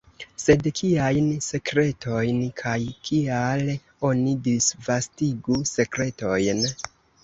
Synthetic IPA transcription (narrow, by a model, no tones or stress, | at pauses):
se̞dkʰiajnse̞kɾe̞tʰo̞jnkʰajkʰiale | o̞nidisvastiɡuse̞kɾe̞to̞jn